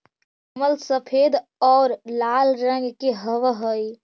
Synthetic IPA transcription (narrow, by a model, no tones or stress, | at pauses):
əməlsəpʰed̪ɔːɾlalɾəŋɡkeɦəʋɦəj